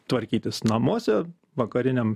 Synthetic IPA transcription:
t̪ʋɐɾʲkʲiːt̪ʲɪsnɐmuɔsʲɛ | ʋɐkɐɾʲɪnʲɛm

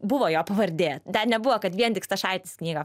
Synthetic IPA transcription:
bʊʋoːjoːpɐʋɐɾʲd̪ʲeːt̪d̪ʲɐnʲɛbʊʋoːkɐt̪ʋʲiɛnt̪ʲɪkst̪ɐʃɐɪt̪ʲɪsknʲiːɡɐ

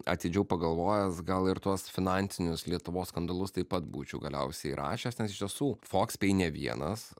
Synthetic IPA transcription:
ɐ̰t̪ʲɪd͡ʒʲɛʊpɐɡɐlˠʋoːjɛsɡɐlˠɪɾt̪uɔsfʲɪnɑnʲt̪sʲɪnʲʊslʲiɛt̪ʊʋoːsskɐnd̪ɐlˠʊst̪ɐɪpɐt̪buːt͡ʃʲɛʊɡɐlʲɛ̰ʊsʲɛɪɾʔɑ̰ːʃʲɛsnʲɛsɪʃt̪ʲiɛsuːfoːksʲpʲɛɪnʲɛʋʲiɛ̰nɐs

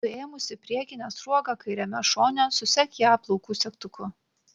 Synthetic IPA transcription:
ʊeːmʊsʲɪpʲɾʲiɛkʲɪnʲɛsɾuɔɡɐkɐɪɾʲɛmʲɛʃoːnʲɛsʊsʲɛkʲjɑːplˠɔʊkuːsʲɛkt̪ʊkʊ

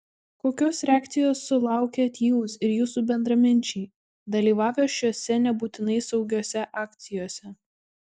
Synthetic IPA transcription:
koːkʲoːsɾʲæːkt̪sʲɪjoːsːʊlˠɑˑʊkʲeːɐt̪ʲjuːsɪɾjuːsuːbʲɛnd̪ɾɐmʲɪnʲt͡ʃʲɛɪ | d̪ɐlʲiːʋɑːʋʲoːʃʲoːsʲɛnʲɛbuːt̪ʲɪnɐɪsɒʊɡʲoːsʲɛʔɑːkʲt̪sʲɪjoːsʲɛ

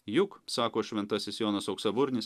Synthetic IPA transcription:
jʊksɑːkoːʃʲʋʲɛnt̪ɐsʲɪsjoːnɐsɐʊksɐbʊɾʲnʲɪs

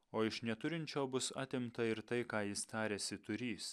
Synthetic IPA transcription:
oːɪʃnʲɛt̪ʊɾʲɪnʲt͡ʃʲoːbʊsɑ̰ːt̪ʲɪmt̪ɐɪɾt̪ɐɪkɑːjɪst̪ɑːɾʲeːsʲɪt̪ʊɾʲiːs

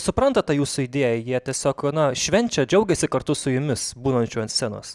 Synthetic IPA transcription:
sʊpɾɐnt̪ɐtt̪ɐjuːsʊid̪ʲeːjɛjiɛt̪ʲiɛsʲoːknɐʃʲʋʲɛnʲt͡ʃʲɛd͡ʒʲɛʊɡʲɛsʲɪkɐrt̪ʊsʊjʊmʲɪsbuːnɐnʲt͡ʃʲuːɐnsʲsʲeno̰ːs

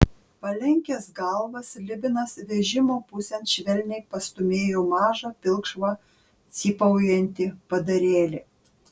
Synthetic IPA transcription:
pɐlʲɛŋʲkʲɛsɡɐlˠʋɐslʲɪbʲɪnɐsʋʲɛʒʲɪmoːpʊsʲɛnʃʲʋʲɛlʲnʲɛɪpɐst̪ʊmʲeːjoːmɑːʒɐpʲɪlˠkʃʋɑ | sʲiːpɐʊjɛnʲt̪ʲɪpɐd̪ɐɾʲeːlʲɪ

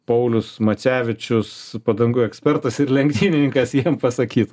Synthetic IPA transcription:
pɐʊlʲʊsmɐt͡sʲæːʋʲɪt͡ʃʲʊspɐd̪ɐŋɡʊɛksʲpʲɛrt̪ɐsɪɾlʲɛŋɡt̪ʲiːnʲɪnʲɪŋkɐsjiɛmpɐsɐkʲiːt̪

